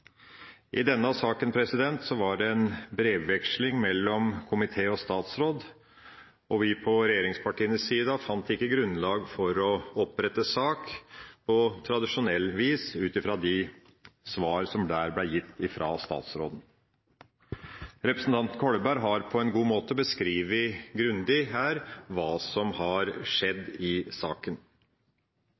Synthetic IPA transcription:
ʔɪd̪ɛnːəɑsɑːkənpʰɾɛsɪd̪ɛnt̪sɔʋɑɖɛɛnbɾeːʋːɛkʂlɪŋmɛlːɔmkʰʊmɪt̪ʰeːɔst̪ɑːt̪sɾoːd̪ | ʔɔʋɪpʰɔɾɛjeːɾɪŋspʰɑʈiːənəsːiːd̪əfɑnt̪ɪkːəɡɾʉnːlɑːɡfɔɾɔɔpɾɛt̪ːəsɑːkpʰɔt̪ʰɾɑd̪ɪʂʊnɛlːʋiːsʉːt̪ɪfɾɑd̪ɪ | sʋɑːɾsɔmd̪æːɾblɛjɪt̪ːɪfɾɑ̰ːst̪ɑ̰ːt̪sɾo̰ːd̪n̩ | ɾɛpɾəsn̩t̪ɑnt̪nkʰɔɽəbæɾɦɑɾpʰɔɛnɡuːmoːt̪əbəskɾiːʋɪɡɾʉnd̪ɪɦæːɾʋɑːsɔmhɑɾʂɛd̪ːɪsɑːkən

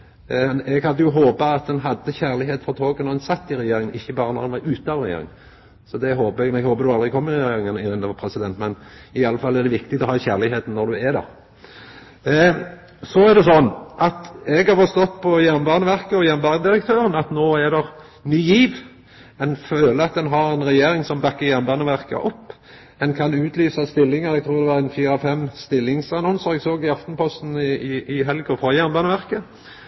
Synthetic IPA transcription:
ɛɡhɑd̪ːəjʊɦoːbɑɑt̪̚d̪ɛnɦɑd̪ːəçæʁlɪɦeːt̪fɔt̪ʰoːɡənɔɛnsɑt̪ːɪɾɛjeːɾɪŋənɪçːəbɑːɾənɔ̰ɾd̪ɛnʋɑɾʉːt̪nɑʋɾɛjḛːɾɪ̰ŋ | sɔd̪ɛɦoːbəɛɡ̪ɛɡhoːbəd̪ʉɑlʁɪkʰɔmːɪɾɛjeːɾɪŋənɪʁɪnd̪əʋɑpʰɾɛsɪd̪ɛnt̪mɛnɪɑlːəfɑlːæɾd̪ɛʋɪkt̪ɪɡt̪ɔhɑːçæːʁlɪɦeːt̪n̩nːɔd̪ʉæd̪ɛ̰ʁ | sɔæɾd̪ɛsɔnːʔɑt̪ɛɡɑɾfɔst̪ɔt̪ːpʰɔjæʁmbɑːnəʋæʁkəɔjæmbɑːəd̪ɪɾəkt̪ʰøːɾənɑt̪noːæd̪ɛʁ | nyːjiːʋ | ɛnføːləɾɑt̪̚d̪ɛnɦɑɾɛnʁɛjeːɾɪŋsɔmbɑkːəɾjæmbɑːnəʋæʁkə̰ʔɔpː | ɛnkʰɑnʉːt̪ʰlyːsəst̪ɪlːɪŋəɾɛɡ̚t̪ʰɾuːd̪ɛʋɑɾɛnfiːɾɑfɛmːst̪ɪlːɪŋsɑnɔnsəɾɛɡsoːɡɪɑft̪npʰɔst̪n̩ɪɪɪɦɛlɡɔfɾɑjæʁnbɑːnəʋæʁkə

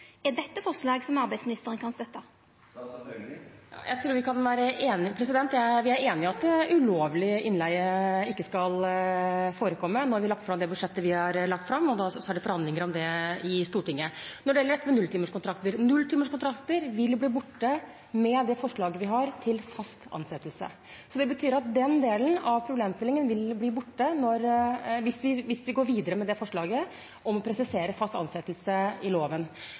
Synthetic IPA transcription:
ɛd̪ɛt̪ːəfɔʁʂlɑːɡsɔmɑɾbæɪsmɪnɪst̪əɾənkʰɑnst̪œt̪ːɑ | jɑ̰jʔæ̰ɪt̪ʰɾuːɾʋɪkʰɑnʋæːɾəʔeːnɪpʰɾɛsɪd̪ɛnt̪jæʋɪæɾeːnɪɑt̪ʉloːʋlɪʔɪnlæɪəɪkːəskɑl | foːɾəkʰɔmːənɔɾʋɪlɑk̚t̪fɾɑmd̪ɛbʉd̪ʂɛt̪ːəʋɪhɑɾlɑkt̪fɾɑmːɔd̪ɑɑæɖɛfɔɾhɑnd̪ɪŋəɾɔmd̪ɛɪst̪uːʈɪŋːənɔɖɛjɛləɖɾɛt̪ːəmɛnʉlt̪ʰiːməʂkʊnt̪ʰɾɑk̚t̪əɾnʉlːt̪iːməʂkʊnt̪ʰɾɑkt̪əɾʋɪlbliːbʊʈːə | mɛd̪ɛfɔʂɭɑːɡəʋɪɦɑɾt̪ʰɪlfɑst̪ɑ̰nsɛt̪ːəlsə̰ | sɔd̪ɛbət̪ʰyːɾɑt̪̚d̪ɛnd̪eːlənɑʋpʰɾʊbleːmst̪ɪlɪŋənʋɪlbliːbʊʈːənɔɾʋɪsʋɪʋɪsʋɪɡoːɾʋiːd̪əɾəmɛd̪ɛfɔʂɭɑːɡə | ʔɔmɔpʰɾɛsɪseːɾəfɑst̪ɑ̰nsɛt̪əlsəɪloːʋən

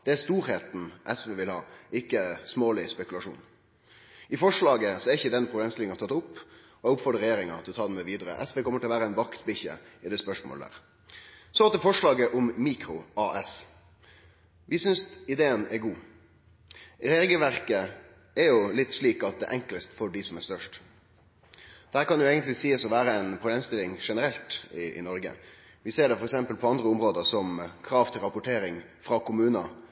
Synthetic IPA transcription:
d̪̥ɛæst̪uːɾheːt̪n̩ʔɛsʋeːʋɪlhɑ̰ːɪkːəsmoːlɪspɛkʉlɑʂṵːn | ɪfɔʂɭɑːɡəsɔɛɾɪçəd̪ɛnpʰɾʊbleːmst̪ɪlɪŋɑt̪ʰɑt̪ːʊpː | ɔɛʊpfɔɾd̪əɾɛjeːɾɪŋɑt̪ʰɪlɔt̪ʰɑːd̪ɛnmɛʋiːd̪əɾə̰ʔɛsʋeːkʰɔməɾʈʰɪlɔʋæːɾəæɪnʋɑkt̪bɪçə̰ɪd̪ɛːspœʂmo̰ːləd̪æ̰ːʁ | sɔɑt̪d̪ɛfɔʂɭɑːɡəʔʊmmiːkɾʊʔɑːʔɛs | ʋɪsʏnsɪd̪eːənɛɾɡuː | heɾɡəʋæɾkə | ɛɾjʊlɪt̪ːʂɭiːkɑt̪̚d̪ɛ̰ʔɛŋkləst̪fɔɖɪsɔmæɾst̪œʂʈ | d̪̥hæːɾkɑnjʊeːɡənt̪lɪsiːəsɔʋæːɾəɛnpʰɾʊbleːmst̪ɪlɪŋʂɛnəɾɛlt̪ɪʔɪ̰nɔɾɡə̰ | ʋɪseːɖɛfɔɾɛksɛmpəlpʰɔɑnd̪ɾəʊmɾoːd̪əsɔmkʰɾɑːʋt̪ʰɪlɾɑpʊʈʰeːɾɪŋ | fɾɑkʊmʉːnɑ̰

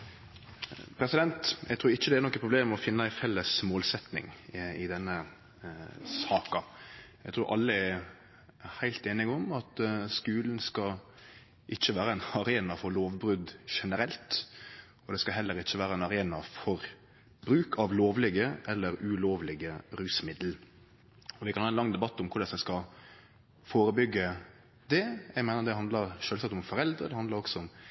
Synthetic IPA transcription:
pʰɾɛsɪd̪ɛnt̪ʔɛ̰ɡt̪ʰɾuːɾɪçːəd̪ɛæɾnɔkːəpɾʊbleːmɔfɪnːəæɪfɛlːəsmoːlsɛt̪nɪ̰ŋɪd̪ɛnːə | sɑːkɑ | æɡt̪ʰɾuːɾʔɑ̰lːəɛ | hæɪlt̪eːnɪɡɔmɑt̪skʉːln̩skɑ | ʔɪt͡ʃːəʋæːɾəænɑɾeːnɑfɔɾloːʋbɾʉd̪ʃɛnəɾɛlt̪ | ɔd̪ɛskɑɦɛlːəɾɪc͡çːəʋæːɾəæɛnɑɾeːnɑfɔɾ | bɾʉːkʰɑʋloːʋlɪɡəʔɛlːəɾʉloːʋlɪɡəɾʉːsmɪd̪l | ɔʋɪkʰɑnhɑːɛnlɑŋːd̪ɛbɑt̪ːʊmkʰʊɖɑnsɛskɑ | foːɾəbʏɡːə | d̪ɛjæɡmeːnəd̪ɛhɑnd̪ləɾʃøːlsɑk̚t̪ɔmfɔɾɛld̪ɾəd̪ɛhɑnd̪ləɾɔksɔʊm

